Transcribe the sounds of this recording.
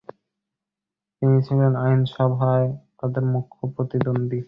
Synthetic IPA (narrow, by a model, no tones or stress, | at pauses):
t̪init͡ɕʰilenajnʃɔbʱaet̪ad̪eɾmukʰːopɾot̪id̪ond̪i